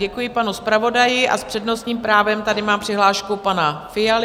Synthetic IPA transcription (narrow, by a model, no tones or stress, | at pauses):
ɛkujɪpanuspɾavo̞dajɪʔa̰spr̝̥ɛdno̞st̪ɲiːmpɾaːvɛmt̪adɪmaːmpr̝̥ɪɦlaːʃkupanafɪjal